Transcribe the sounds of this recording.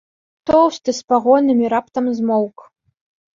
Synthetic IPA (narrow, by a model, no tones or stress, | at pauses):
t̪owst̪ɨspaʁɔnɨmʲiɾapt̪ɐmzmowk